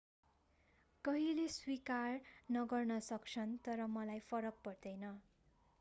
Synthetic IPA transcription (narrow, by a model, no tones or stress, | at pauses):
kʌɦileswikarnʌɡʌrnʌsʌk̚t͡sʰʌnt̪ʌɾʌmʌlajpʰʌɾʌk̚pʌrd̪ʌjnʌ